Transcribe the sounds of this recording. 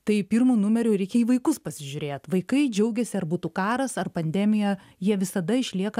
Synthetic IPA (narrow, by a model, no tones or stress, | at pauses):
t̪ɐɪpʲirmuːnʊmʲɛɾʲʊːɾʲɛɪkʲɛiːʋɐɪkʊspɐsʲɪʒʲʊɾʲeːt̪ʋɐɪkɐɪd͡ʒʲɛʊɡʲɛsʲɪɐrbuːt̪ukɑːɾɐsɐrpɐnʲd̪ʲæːmʲɪjɛ | jiɛʋʲɪsɐd̪ɐɪʃʲlʲiɛkɐ